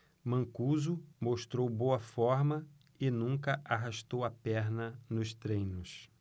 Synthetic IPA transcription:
mɐ̃kuzʊmoʃt̪ɾowbowɐfɔɾmɐ | ɪnũŋkɐʔaɦaʃt̪owɐpɛɾnɐnʊst̪ɾẽj̃nʊs

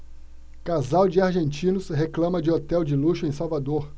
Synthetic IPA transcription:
kazawd͡ʒɪaɾʒẽnt͡ʃĩnʊsɦeklɐ̃mɐd͡ʒɪot̪ɛwd͡ʒɪluʃʊẽj̃sawvad̪oɾ

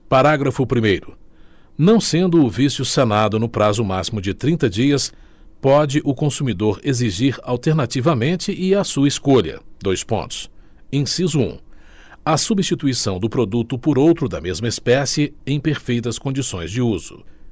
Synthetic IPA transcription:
paɾaɡɾɐfʊpɾimejɾʊ | nɐ̃w̃sẽnd̪ʊːvisjʊsenad̪ʊnʊpɾazʊmasimʊd͡ʒɪt̪ɾĩnt̪ɐd͡ʒiɐs | pɔd͡ʒɪʔʊkõsumid̪oɾeziʒiɾawt̪eɾnat͡ʃivɐmẽnt͡ʃɪʔɪasuɐeskoʎɐ̰d̪ojspõ̰nt̪ʊ̥s | ẽsizʊṵ̃ | ɐsubist͡ʃit̪uisɐ̃w̃d̪ʊpɾod̪ut̪ʊpʊɾowt̪ɾʊd̪ɐmezmɐespɛsɪẽj̃peɾfejt̪ɐskõd͡ʒisõj̃zd͡ʒɪuz̥ʊ̰

